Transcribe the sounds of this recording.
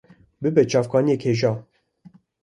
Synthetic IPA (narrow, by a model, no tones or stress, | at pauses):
bɨbɛt͡ʃʰɑːfkɑːnijeːkheːʒɑː